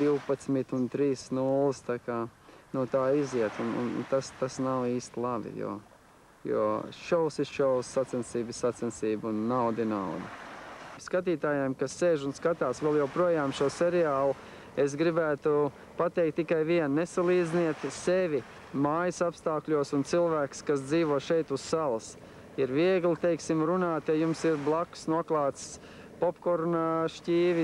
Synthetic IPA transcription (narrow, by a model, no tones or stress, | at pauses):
d̪iwpat̪smit̪unt̪ɾiːsnulˠɨst̪akaːnuɔt̪aːiziɛt̪unṵn̰nt̪ast̪asnawiːst̪lˠavḭjṵː | jṵːɔʃɔwsisʃɔwsːat̪sɛnsiːbisat̪sɛnsiːbunːawd̪inawd̪ɐskat̪̬iːt̪aːjajmkasːeːʒunskat̪aːsʋɛlˠjawpɾuɔjaːmʃuɔseɾiaːlˠʊ | es̬ɡɾibæːt̪u | pat̪ɛjk̚t̪ːikajʋiɛnnesalˠiːd̪zniɛt̪seʋʲi | maːjɪsapst̪aːklʲuɔsunt̪silˠʋæːkskas̬d̪ziːʋuɔʃɛjt̪ussalˠs | iɾviɛɡlit̪ejksimɾunaːt̪jajumsiɾblˠaksnuɔklˠaːt̪s | pɔpkɔɾnaʃciːʋi